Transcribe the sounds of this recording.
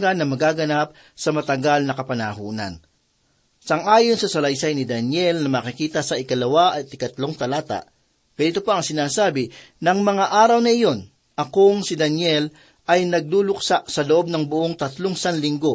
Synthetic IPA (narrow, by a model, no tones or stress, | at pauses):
ɡɐnːɐmɐɡaːɡɐnap̚ | sɐmɐt̪ɐɡalnɐkɐpɐnaɦuːnɐ̰n | sɐŋʔaːjonsɐsɐlɐjsajnɪd̪ɐnjɛlnɐmakɪkiːt̪ɐsɐʔɪkɐlɐwaʔɐt̪ɪkɐt̪loŋt̪ɐlaːt̪a̰ʔ | kɐd̪ɪt̪opaʔɐŋsɪnaːsaːbɪ | nɐŋmɐŋaʔaːɾɐwnɐɪjo̞n | ʔɐkoŋsɪd̪ɐnjɛl | ʔɐjnɐɡ̚luːlʊksaʔsɐloʔo̞b̚nɐŋbʊʔo̞ŋt̪ɐt̪loŋsanlɪŋɡo̞